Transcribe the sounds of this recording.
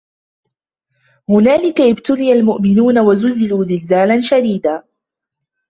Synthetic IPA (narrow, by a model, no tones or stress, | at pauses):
hʊnaːlɪkaʔɪbt̪ʊlɪjalmʊʔmɪnuːnawazʊlzɪluːzɪlzaːlanʃad̪iːd̪aː